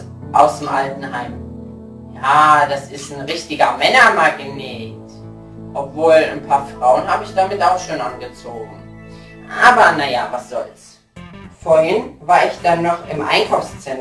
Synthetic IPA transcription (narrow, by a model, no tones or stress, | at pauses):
ʔa̰ʊsd̥emʔaltn̩ɦaɪm | jaːdasɪstn̩ʁɪçtɪɡɐmɛnɐmaɡneːt | ʔɔpv̥oːlanpʰaːɐfʁ̥aʊənɦaːbəɪçd̥amɪtaʊxʃoːnʔanɡət͡soːɡŋ̩ʔaːbɐnajavasz̥ɔls | foːɐhɪnvaːɐɪçd̥anːɔχɪmʔa̰ɪnkʰaʊfst͡sɛn